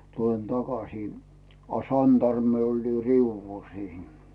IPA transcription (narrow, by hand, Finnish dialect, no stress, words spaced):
tulen tɑkɑsiː ɑ sɑntɑrmːi olʲ riuʋːul siːn